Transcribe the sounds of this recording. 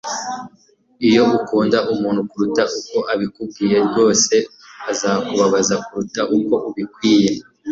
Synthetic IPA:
ijo̞ukuːndaʔumuːn̤̥hukuɾutaʔuko̞ʔaβikub̚ɡiːje̞ɾɡo̞ːse̞ | azaːkuβaβazakuɾutaʔuko̞ʔuβikwiːje̞

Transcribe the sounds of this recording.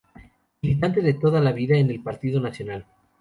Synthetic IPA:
bilit̪ant̪e̞ðe̞t̪o̞ðalaβiðaene̞lpaɾt̪iðo̞nasjo̞nal

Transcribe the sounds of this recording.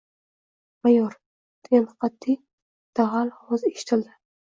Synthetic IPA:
majɒɾ | d̪̥ɪɡʲamqʰɑt̪ʰːi | d̪̥aʁalhɒzeʃɪ̥t̪ʰɪld̪ɪ

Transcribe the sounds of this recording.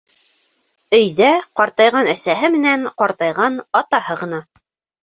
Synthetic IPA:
ɵ̆jðæqɑɾt̪ɑjʁɑnæsæɦɘmɘ̆næɴqɑɾt̪ɑjʁɑnɑt̪ɑhɤʁɤ̆nɑ

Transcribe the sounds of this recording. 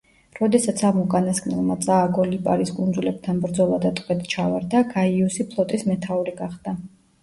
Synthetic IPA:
ɾɔd̪ɛsat̪sʰamukʼanaskʰʼnɛlˠmat̪sʼaːɡɔlipʼaɾiskʼund̪zulɛb̚t̪ʰanbɾd̪zɔlˠad̪at̪ʼqʼwɛt̪t͡ʃʰavaɾd̪aɡaiusipʰlˠɔt̪ʼismɛt̪ʰauɾiɡaχd̪a

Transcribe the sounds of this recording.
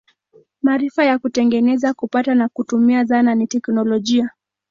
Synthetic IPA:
maɾifajakutɛŋɡɛnɛzakupatanakutumiazananitɛknɔlɔʄia

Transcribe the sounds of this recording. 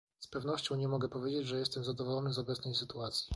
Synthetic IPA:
spɛvnɔɕt͡ɕɔ̃w̃ɲɛmɔɡɛpɔvjed͡ʑed͡ʑʐɛjɛst̪ɛmzad̪ɔvɔlɔnɘzɔbɛt̪snɛjsɘt̪uat̪sʲji

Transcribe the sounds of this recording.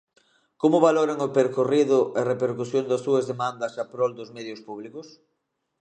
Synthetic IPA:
komʊβaloɾaŋopeɾkoriðʊʔerepeɾkusjond̪ɐsuɐzðemãnd̪ɐsapɾɔld̪ʊzmɛðjʊspuβ̞likʊs

